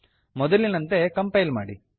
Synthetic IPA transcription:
mɔd̪ɐlinɐnt̪e̞kɐmpɐjlma̰ːɽi

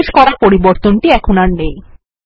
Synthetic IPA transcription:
eʃkɔɾaɾpoɾiboɾt̪onʈiɛkʰonaɾnej

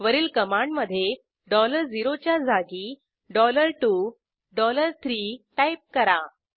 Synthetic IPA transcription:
ʋəɾiːlkəmãɳɖməd̪ʱːje | ɖɔləɾd͡ziɾot͡ɕjad͡zʱaɡiː | ɖɔləɾʈuː | ɖɔləɾt̪ʰɾiːʈajp̚kəɾa

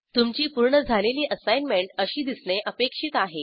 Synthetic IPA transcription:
t̪umt͡ɕiːpuɾɳəd͡zʱaleliːʔəsajnmeɳʈəɕiːd̪isneʔəpekʂit̪aɦe

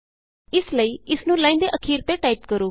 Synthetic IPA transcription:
ɪsləiːɪsnũːlãːĩnd̪eːʔəkʰiːɾt̪eːʈaːipkəɾoː

